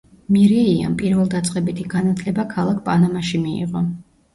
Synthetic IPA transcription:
miɾɛia̰mpʼiɾvɛlˠd̪at̪sʼqʼɛbit̪ʰiɡanat̪ʰlɛbakʰalˠakʰpʼanamaʃimiḭʁɔ

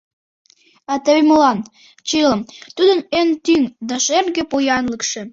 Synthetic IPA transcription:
ɑt̪əβeməlɑn | t͡ɕiləmt̪ud̪ənent̪yŋd̪ɑʃerɡepojɑnləkʃe̽

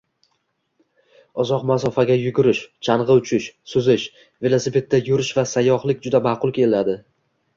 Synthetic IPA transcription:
ɒzɒqmasɒfaɡʲajʊɡʲʊɾɪʃt͡ʃʰanʁɨʊt͡ʃʰɪʃsʊzɪʃ | ve̞lˠosipʰe̞t̪ːajʊɾɪʃvasajɒχlˠɪkʲd͡ʒʊd̪amaːqʊlˠkʲʰe̞lad̪ɪ

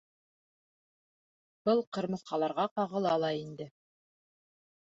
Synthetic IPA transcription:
b̥ɤlˠqɤ̆ɾmɤ̆θqɑlˠɑɾʁɑqɑʁɤ̆lˠɑlˠɑind̪ɘ

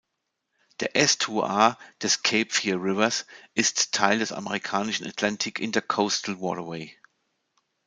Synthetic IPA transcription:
d̥ḛʔɛstʰuʔaːd̥ɛskʰeɪpfiːʁɪvɐsʔɪstʰːaɪldɛsa̰məʁikʰaːnɪʃn̩a̰tʰlantʰɪkʰɪndeɐkʰoʊstl̩wɔ̰ːɾəweɪ

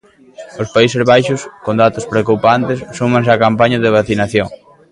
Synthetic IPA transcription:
ospaisezβajʃʊskond̪at̪ʊspɾeokupant̪ɪsːumãŋsakampaɲaðeβ̞aθinaθjoŋ

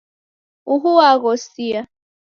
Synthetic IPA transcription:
uɦuwaɣɔsia

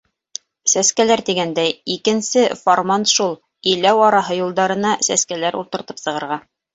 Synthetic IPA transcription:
sæskælæɾt̪iɡænd̪æjikɘ̆nsɘformant̪ʃulˠ | ɘjlæwɑɾɑɦɤjulˠd̪ɑɾɤ̆nɑsæskælæɾuɾt̪ɤ̆ɾt̪ɤ̥psɤ̆ʁɤ̆ɾʁɑ

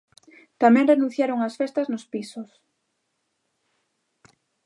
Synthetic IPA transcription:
t̪amɛ̃ŋrenũθjaɾoŋasfest̪ɐznʊspisʊs

